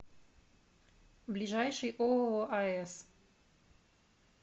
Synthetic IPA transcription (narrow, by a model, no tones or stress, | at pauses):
blʲɪʐajʂɨjʔooʔɐɛs